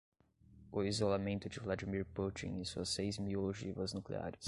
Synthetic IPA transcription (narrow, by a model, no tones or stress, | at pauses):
ʊizolamẽnt̪ʊd͡ʒɪvlad͡ʒimiɾput͡ʃḭ̃ŋ̃ĩsuɐsːejzmioloʒivɐznuklḛa̰ɾɪs